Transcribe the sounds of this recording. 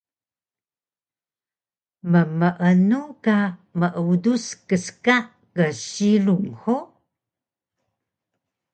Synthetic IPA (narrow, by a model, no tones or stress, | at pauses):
məməʔənukaməʔuduskəskaʔ | kəɕiluŋho